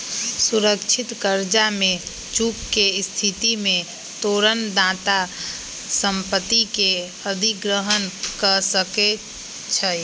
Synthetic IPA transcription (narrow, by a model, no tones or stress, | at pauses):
suɾəkt͡ʃʰɪt̪kəɾd͡ʒamẽ | t͡ʃukːest̪ʰit̪imẽ | t̪oːɾənd̪ãːt̪a | səmpət̪ːike | əd̪ʱiɡɾəɦənkəsəke | t͡ʃʰə